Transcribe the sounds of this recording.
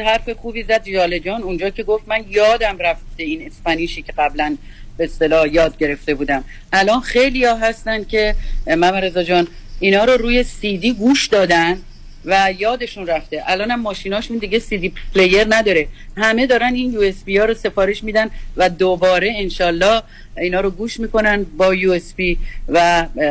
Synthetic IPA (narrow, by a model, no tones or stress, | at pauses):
ɦæɾfe̞xuːbiːzæd̪ʒɒːle̞d͡ʒɒːnund͡ʒɒːcʰe̞ɡo̞ft̪mænjɒːd̪æmræft̪be̞ine̞spæniːʃiːcʰe̞ɣæblæn | beest̪e̞lɒːhjɒːd̪̚ɟe̞ɾe̞ft̪ebuːd̪æm | ʔælɒːnxe̞jliːjɒːɦæst̪ænd̪̚cʰe̞mæmæɾezɒd͡ʒɒːnʔiːnɒːɾoɾuːje̞sid̪iːɡuːʃd̪ɒːd̪ænd̪ | væjɒːd̪e̞ʃunræft̪e̞ʔælɒːnhæmːɒːʃinɒːʃund̪iːɟe̞siːd̪ipʰle̞je̞ɾnæd̪ɒːɾe̞hæme̞d̪ɒːɾæninjuːe̞spijɒːɾose̞fɒːɾe̞ʃmid̪ænvæd̪obɒːɾe̞enʃɒːlːɒːh | iːnɒːɾoɡuːʃmiːko̞nænbɒːjuːespivæ